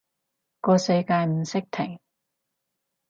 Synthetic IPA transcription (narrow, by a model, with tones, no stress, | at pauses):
kɔː˧sɐ˧jkaː˧jm̩˨˩sɪ˥k̚t̪ʰɪ˨˩ŋ